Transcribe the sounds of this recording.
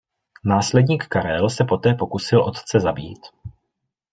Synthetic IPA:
naːslɛdɲiːkkaɾɛlsɛpo̞t̪ɛːpo̞kusɪlʔo̞t̪t͡sɛzabḭːt̪

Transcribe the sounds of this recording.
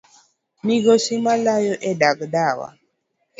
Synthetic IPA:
miɣosimalajɔʔɛdaɡdawa̰

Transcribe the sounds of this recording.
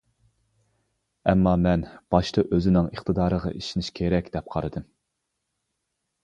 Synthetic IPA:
ɛ̰mːɑmɛnb̥ɑʃt̪ʰɑʔøzɪnɪŋəχt̪ʰɨd̪ɑːɾəʁɑ̰ʔiʃinɪʃkʲʰeɾɛkʲd̪ɛp̚qʰɑɾɨd̪ɨm

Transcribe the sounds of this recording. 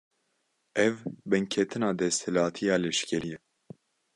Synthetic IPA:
ɛvbɨŋkʰɛt̪ʰɨnɑːd̪ɛst̪hɛlɑːt̪ʰijɑːlɛʃkʲɛɾijɛ

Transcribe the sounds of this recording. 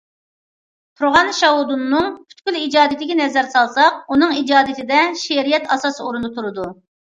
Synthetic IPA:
t̪ʰuɾʁɑnʃɑɦud̪unːɨŋpʰy̥t̪kʲylid͡ʒɑːd̪ɪd̪ɪkʲinɛzɛɾsɑlˠsɑq̚unɨŋid͡ʒɑːd̪ɪt̪ʰɪd̪ɛʃeɾijɛt̪ʰɑsɑːsɨoɾund̪ɨt̪ʰuɾɨd̪u

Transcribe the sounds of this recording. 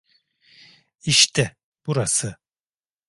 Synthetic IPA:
iʃt̪ʰɛ | b̥uɾasɯ

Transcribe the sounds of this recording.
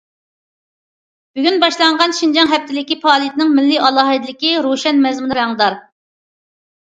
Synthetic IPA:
b̥yɡʲynbɑʃlˠɑɴʁɑnʃind͡ʒɑŋɦɛp̚t̪ʰɪlɪkʲipʰɑːlˠijt̪ɪnɪŋmɪlːɪɑlˠɑɦɨd̪lɪkʲiɾoʃɛnmɛzmunɾɛŋd̪ɑɾ

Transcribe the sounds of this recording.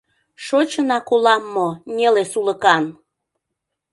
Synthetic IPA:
ʃot͡ɕənɑkolɑmːonʲelesuləkɑn

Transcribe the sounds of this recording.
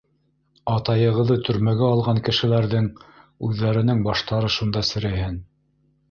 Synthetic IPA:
ɑt̪ɑjɤ̆ʁɤ̆ðːɤt̪ʰɵ̆ɾmæɡæɑlˠʁɑŋkɘ̆ʃɘ̆læɾðɘŋʉðːæɾɘ̆nɘŋbɑʃt̪ɑɾɤʃund̪ɑsɘ̆ɾɘ̆ɦɘn

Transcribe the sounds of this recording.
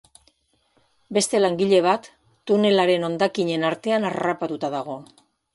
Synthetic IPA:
be̞st̪e̞laŋɡiʎe̞β̞at̪ː | une̞laɾe̞no̞nd̪akiɲe̞naɾt̪e̞anarapat̪ut̪aðaɣ̞o̞

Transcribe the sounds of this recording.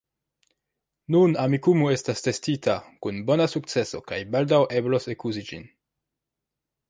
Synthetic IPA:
nunamikumue̞staste̞stitʰakunbo̞nasuk̚t͡se̞so̞kajbaldawʔe̞blosekuzid͡ʒḭn

